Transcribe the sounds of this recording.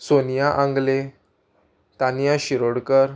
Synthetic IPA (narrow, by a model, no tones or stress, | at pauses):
sonjaʔãŋɡle | t̪anjaɕiɾoɽkəɾ